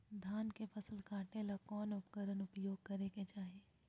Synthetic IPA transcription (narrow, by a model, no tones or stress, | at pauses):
d̪ʱaːnkefɐsəlkaːʈelakɔːnʊpkəɾənʊpjoːɡ̚kɐɾekẽt͡ʃaːɦieː